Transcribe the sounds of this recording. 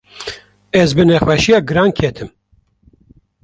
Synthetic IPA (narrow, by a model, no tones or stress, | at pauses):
ɛzbɨnɛxwɛʃijɑːɡɨɾɑːnkʰet̪ʰɨm